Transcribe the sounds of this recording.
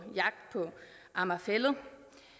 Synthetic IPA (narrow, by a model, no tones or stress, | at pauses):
jɑ̈ɡ̥̚d̥̚pʰɒ̽ | ʔɑ̈mæfelə